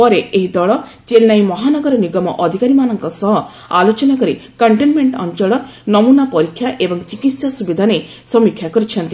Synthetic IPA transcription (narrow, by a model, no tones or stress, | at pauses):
pɔɾeʔeɦid̪ɔɭɔ | t͡ʃelnajmɔɦanɔɡɔɾɔniɡɔmɔʔɔd̪ʱikaɾimanɔŋkɔsɔɦɔ | a̰lot͡ʃɔnakɔɾikɔɳʈenmeɳʈɔ̰nt͡ʃɔɭɔ | nɔmunapɔɾikʰːjaʔebɔŋt͡ʃikit̪sasubid̪ʱane | sɔmikʰːjakɔɾit͡ʃʰɔnt̪i